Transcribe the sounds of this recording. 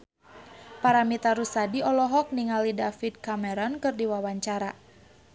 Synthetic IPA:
paɾamit̪aɾusadiɔlɔɦɔk̚niŋalidafid̪̚kamɛɾɔnkɨrdiwawaɲt͡ʃaɾa

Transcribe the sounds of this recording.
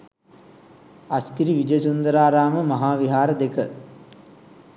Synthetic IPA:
askiɾiʋid͡ʒəsund̪əɾaːɾaːməmɐɦaːʋiɦaːɾəd̪ekə

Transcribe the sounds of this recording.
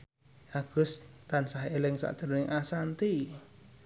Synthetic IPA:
aɡ̥ʊst̪ansaɦelɛŋsa̰ʔd͡ʒ̥əɾonɪŋʔasant̪i

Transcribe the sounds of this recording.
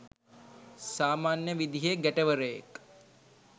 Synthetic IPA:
saːmaːnjəʋid̪iɦeɡæʈəʋəɾəjḛk

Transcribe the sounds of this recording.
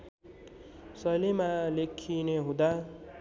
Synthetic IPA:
sʌjlemalekʰineɦũd̪a

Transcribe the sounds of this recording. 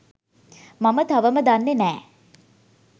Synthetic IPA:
mamət̪aʋəməd̪anːenɛː

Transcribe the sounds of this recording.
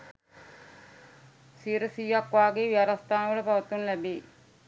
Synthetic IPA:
siːɾəsiːɐkʋaːɡeːʋiaɾast̪aːnəʋɐɭəpaʋɐt̪unlæbiː

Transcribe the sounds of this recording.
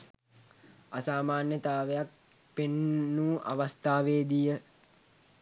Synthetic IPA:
asaːmaːnjət̪aːʋejak | penːuːʔa̰ʋast̪aːʋeːd̪ijə

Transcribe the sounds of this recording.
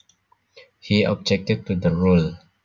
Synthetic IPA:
hiɔ̰b̚d͡ʒɛk̚tɪd̚tud̪əɹul

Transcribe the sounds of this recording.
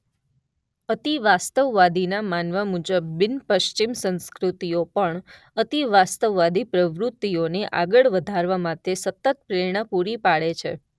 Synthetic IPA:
ət̪iʋast̪əʋːad̪inamanʋamud͡ʒəbːɪnpəʃt͡ʃimsə̃nskɾut̪ijopəɳ | ət̪iʋast̪əʋːad̪ipɾəʋɾut̪ːioneʔa̰ɡəɭʋəd̪ʱaɾʋamat̪esət̪ət̪̚pɾeɳ̃əpuɾipaɭet͡ʃʰḛ

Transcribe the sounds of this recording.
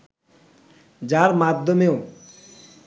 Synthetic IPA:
d͡ʑaɾmad̪ʱːomeo

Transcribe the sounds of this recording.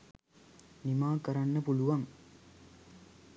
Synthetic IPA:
nimaːkɐɾɐnːɐpuɭuʋɐŋ

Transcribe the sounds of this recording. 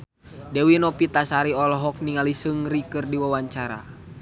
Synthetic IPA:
dɛwinɔpit̪asaɾiɔlɔɦɔk̚niŋalisɨŋɾikɨrdiwawaɲt͡ʃaɾa̰

